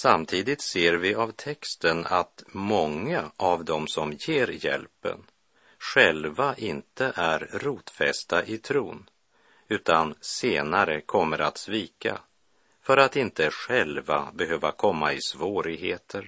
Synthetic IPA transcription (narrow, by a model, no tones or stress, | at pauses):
samt̪ʰiːd̪ɪt̪seːɾvɪavt̪ʰɛkst̪ənat̪mɔŋːaʔavd̪ɔmsɔmjeːɾjɛ̰lpə̰n | ɧɛlvaʔɪnt̪əʔæɾɾuːt̪fɛ̰st̪aʔɪt̪ʰɾuːn | ʉ̟ːt̪anseːnaɾəkʰɔmːəɾat̪sviːka̰ | fœɾat̪ɪnt̪əɧɛlva̰bɛɦøːvakʰɔmːaɪsvoːɾɪɡɦeːt̪ʰəɾ